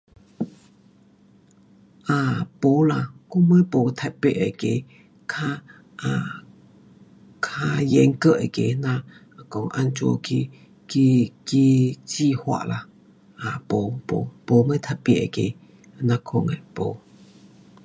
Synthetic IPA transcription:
ʔa˨po˨˦la˧˨ko˦˧mə˦po˨t̪ʰa˧ʔpe˨ʔe˨ke˨ | kʰa˧ | a˨ | kʰa˦je˨˦ŋkə˦˧˨ʔḛ˨ke˨nã˧˨ | ko˧˨ŋʔa̰˧nt͡ʃo̰˧ki˧ | ki˧ki˧t͡ʃi˧˨hwa̰˧ʔla˨ | a˨po˨po̰˨˦po˨˦mə˦t̪ʰa˧ʔpi˧˨ʔḛ˨kḛ˨ | nã˧kʰo˧˨ŋe˨po˨˦

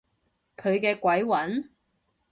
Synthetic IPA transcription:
kʰɵ˨˧ɥkɛː˧kʷɐ˨˥jwɐ˨˥n

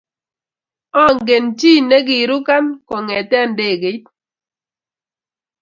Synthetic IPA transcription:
ɔ˦˨ŋɡe˨nt͡ʃi˦ne˦ɡi˨ɾu˦ka˦nkɔ˨ŋɛ˨tɛ˦˨nde˦˨ɡe˨˦t̚

